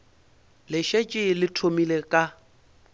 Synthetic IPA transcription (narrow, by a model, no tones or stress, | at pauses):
lɪʃet͡ʃʼɪlɪtʰomilekʼa